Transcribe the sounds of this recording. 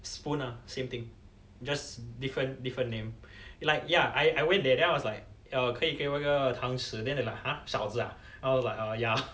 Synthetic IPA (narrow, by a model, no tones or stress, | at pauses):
spũnasẽmt̪ĩŋ | d͡ʒasdifɹə̃ndifɹə̃nːẽmlaɪk̚jaajʔajwɛ̃ndɛdɛ̃najwɔslaɪk̚ | əkʰəikawakət̪ʰãŋsɨdɛ̃ndalaɪkhãʃaʊsa | aɪwɔslaɪkəja